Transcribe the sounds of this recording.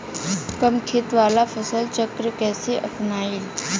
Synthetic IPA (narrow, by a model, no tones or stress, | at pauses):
kəmkʰet̪ʋaːlafʰɐsəlt͡ʃəkɾkɛːseʔɐpnaːɪl